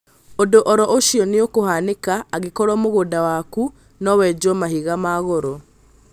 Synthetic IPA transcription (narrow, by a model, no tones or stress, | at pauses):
odoʔɔɾɔʔoʃiɔneokohanekaːɣekɔɾɔmoɣoːdawaku | nɔwɛd͡ʒɔmahiɣamaɣoɾɔ